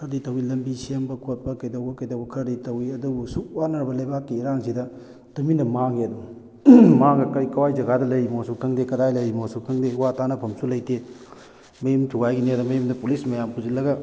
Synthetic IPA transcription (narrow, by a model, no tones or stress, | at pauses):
kʰɐɾditɐwilɐmbisembɐkʰot̚pɐkɐjdɐwbɐkɐjdɐwbɐkʰɐɾditɐwiɐdubusuk̚wanɐɾbɐlɐjbakːiːɾaŋsidɐ | tɐminɐmaɡeɐduŋ | maɡɐkɐjkɐwajzɐɡadɐlɐjmosuk̚tʰɐŋdekɐdajlɐjmosuk̚tʰɐŋdewatanɐpʰɐmsulɐjte | mɐjumtʰuɡajɡinedɐmɐjumdɐpulismɐjampuzilːɐɡɐ